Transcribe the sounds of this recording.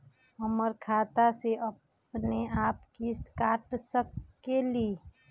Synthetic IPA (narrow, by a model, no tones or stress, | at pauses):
ɐməɾkʰaːt̪aseʔɐp | neaːpkist̪kaːʈsəkːeliː